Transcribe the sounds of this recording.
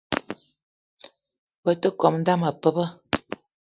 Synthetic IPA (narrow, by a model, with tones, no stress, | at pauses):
bə˨tə˦kɔ˨mn̩˦da˦mə˨pə˦bə˦